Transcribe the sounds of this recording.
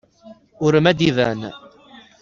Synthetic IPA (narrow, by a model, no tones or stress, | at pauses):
ʊɾəmæd̪iðæ̰n